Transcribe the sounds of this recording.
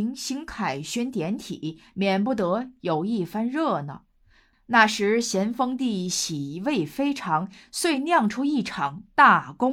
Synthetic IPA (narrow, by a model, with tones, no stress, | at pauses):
ŋɕi˧˥ŋkʰa˨˩ɪɕɥɛ˥nt̪jɛ˧˥nt̪ʰi˨˩˦mjɛ˨˩np̬u˥˩t̪ɤ˧˥jo˨˩ʊi˥˩fa˥nɻɤ˥˩nə̰˩ | na˥˩ʂɻ̩˧˥ɕjɛ˧˥nfɤ˥ŋt̪i˥˩ɕi˨˩we˥˩ɪfe˥ɪʈ͡ʂʰɑ˧˥ŋswe˥˧ɪnjɑ˥˩ŋʈ͡ʂʰu˥i˥˩ʈ͡ʂʰɑ˨˩ŋt̪a˥˩kʊ˥ŋ